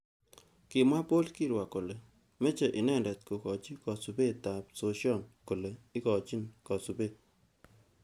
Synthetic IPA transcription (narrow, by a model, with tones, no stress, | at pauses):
kɪ˨mwa˦po˦lki˦ɾwa˨ko˨le˨ | me˦t͡ʃe˨ʔɪ˨nɛ˦ndɛ˨t̚ko˨kɔ˨t͡ʃi˦kɔ˨su˨be˦˨ta˨p̚so˨˦ʃjɔ˦nko˨le˨ɪ˦kɔ˨t͡ʃi˦nkɔ˨su˨be˦